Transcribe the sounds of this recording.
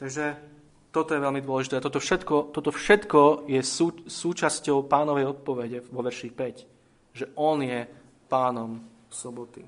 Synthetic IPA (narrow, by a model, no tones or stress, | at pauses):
t̪aɡʒɛ | t̪ɔt̪ɔjɛʋɛlmid̪ʊɔlɛʒit̪ɛːat̪ɔt̪ɔfʃɛt̪kɔt̪ɔt̪ɔfʃɛt̪kɔjɛsusuːt͡ʃascɔʊpaːnɔʋɛjɔt̪̚pɔʋɛɟɛʋɔʋɛɾʃixpɛc | ʒɛʔɔnjɛ | paːnɔm | sɔbɔt̪ḭ